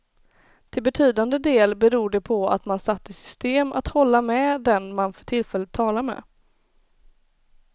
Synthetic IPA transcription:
t̪ʰɪlbɛt̪ʰyːd̪and̪əd̪eːlbɛɾuːɖɛpʰɔa̰t̪mansat̪ːɪsʏ̥st̪eːma̰t̪hɔlːamɛd̪ɛnmanfœ̥ʈʰɪlfɛlət̪ʰːɑːlaɾmɛ̰

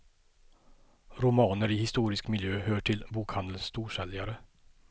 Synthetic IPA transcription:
ɾʊmɑːnəɾɪhɪst̪uːɾɪskmɪljøːhœːʈʰɪlbuːkhand̪əlst̪ʰuːʂɛljaɾə

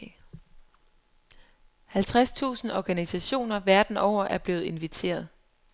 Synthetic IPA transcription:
hælt͡sʰʁast͡sʰṵːsn̩ɒɡ̥ænisæɕo̝̰ːnɐʋæɐd̥n̩ʔɒʊ̰ɐʔæɐb̥le̝ːð̩ˠe̝nʋit͡sʰe̝̰ːɐð̞ˠ

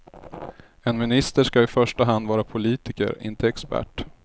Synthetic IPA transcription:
ɛnmɪnɪst̪əʂkaɪfœʂʈaɦand̪vɑːɾapʰʊliːt̪ɪkə̰ɾɪ̰nt̪əɛkspæ̰ʈː

